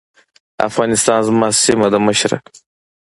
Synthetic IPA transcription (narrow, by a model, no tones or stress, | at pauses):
a̰fɣɑːnist̪ɑːnzmaːsimɐd̪ɐmɐɕɾɐ̰